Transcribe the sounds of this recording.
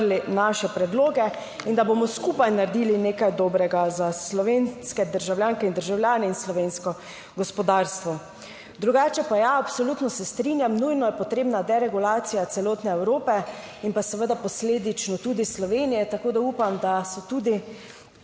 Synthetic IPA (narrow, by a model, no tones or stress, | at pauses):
linaʃɛpɾɛd̪loːɡɛ | ind̪abomɔskupajnaɾd̪iːlineːkajd̪oːbɾɛɡazaslɔʋenskɛd̪əɾʒawljaːŋkɛind̪əɾʒawljaːnɛinslɔʋeːnskɔ | ɡɔspɔd̪aːɾst̪ʋɔ | d̪ɾuɡaːt͡ʃɛpajaapsɔlut̪nɔsɛst̪ɾinjamnujnɔjɛpɔt̪ɾeːbnad̪ɛɾɛɡulaːt̪sijat̪sɛloːt̪nɛɛwɾoːpɛ | inpasɛʋəd̪apɔsleːd̪it͡ʃnɔt̪ud̪islɔʋeːnijɛt̪akoːd̪auːpamd̪asɔt̪uːd̪i